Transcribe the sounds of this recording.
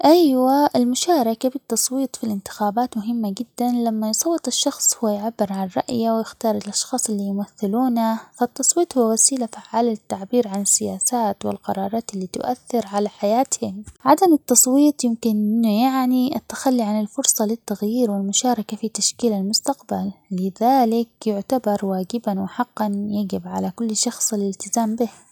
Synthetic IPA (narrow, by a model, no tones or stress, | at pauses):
ʔajwaʔɪlmʊʃaːɾˤɑkabɪt̪ːɑsˤwiːt̪ˤfilʔɪnt̪ɪ̥xaːbaːt̪mʊɦɪmːaɡɪd̪ːanlamːajsˤɑwːɨt̪ˤɪʃːɑxsˤhʊwːajʕabːɪɾʕanrˤɑ̰ʔjawjɪxt̪ɑːɾˤɪlʔɑʃxɑːsˤɪlːiːjʊmaθːɪluːnafat̪ːɑsˤwiːt̪ˤhʊwːawasiːlafaʕːaːlat̪ːaʕbiːɾʕanɪsːɪjaːsaːt̪wɪlqɑɾˤɑːɾˤɑːt̪ɪlːiːt̪ʊ̰ʔaθːɪɾʕalaħajaːt̪hɪmʕad̪amɪt̪ːɑsˤwiːt̪ˤjɪmkɪnʔjaʕniʔat̪ːḁxalːiʕanɪlfʊɾsˤɑlɪt̪ːaɣjiːɾwɪlmʊʃɑːɾˤɑkafit̪aʃkiːlalmʊst̪aqbalːɪðaːlɪkjʊʕt̪abɑɾˤwaːɡɪbanwɪħɑqːɑnjaɡɪbʕalakʊlːʃɑxsˤɪlɪlt̪ɪzaːmbɪh